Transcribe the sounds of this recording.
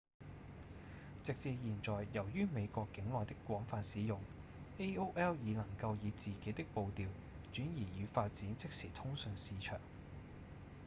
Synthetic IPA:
t͡sɪ˨k̚t͡siː˧jiː˨˩nt͡sɔː˨jːɐ˨˩wjyː˥me˨˧jkʷɔː˧kːɪ˨˥ŋlɔː˨˩jt̪ɪ˥kːʷɔː˨˥ŋfaː˧nsiː˨˧jʊ˨˩ŋ | ʔe˥o˥ʔɛː˥wjiː˨˧nɐ˨˩ŋkɐ˧wjiː˨˧t͡siː˨ke˨˥jt̪ɪ˥k̚po˧wt̪iː˨˧w | t͡ʃyː˨˥njiː˨˩jyː˨˧faː˧t̚t͡siː˨˥nt͡sɪ˥k̚siː˨˩t̪ʰʊ˥ŋsɵ˧nsiː˨˧t͡ʃʰœ̰ː˨˩ŋ

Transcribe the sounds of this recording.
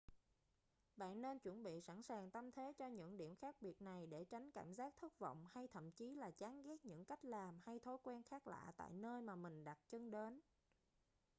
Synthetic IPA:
ɓa̰ː˧˨nːe˧nt͡ɕwə˧˩nɓḭ˧˨sa˧˩nsaː˨˩ŋt̪a˧mt̪ʰe˨˦t͡ɕɔ˧ɲɨ̰˧˥ŋɗi˧˩əmxaː˦˥k̚ɓi˨˩ət̚na˨˩jɗe˧˩t͡ɕa˨˦jŋ̟kaː˧˩mzaː˦˥k̚t̪ʰɨ˦˥t̚vɔ̰˧˨wŋ͡mha˧jt̪ʰə̰˧˨mt͡ɕi˨˦laː˨˩t͡ɕaː˨˦nɣɛ˦˥t̚ɲɨ̰˧˥ŋka˦˥jk̟̚laː˨˩mha˧jt̪ʰo˨˦jkwɛ˧nxaː˦˥k̚la̰ː˧˨t̪a̰ː˧˨jnəː˧jmaː˨˩mï˨˩ŋ̟ɗa˨˩t̚t͡ɕə˧ŋɗe˨˦n

